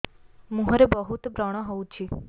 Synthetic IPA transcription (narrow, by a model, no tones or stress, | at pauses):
mũɦəɾebəɦut̪bɾəɽ̃ə̃ɦoũt͡ʃʰi